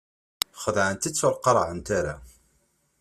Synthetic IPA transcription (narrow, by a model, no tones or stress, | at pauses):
χəðʕənt̪ət͡sːʊɾqːɑɾˤʕənt̪aɾa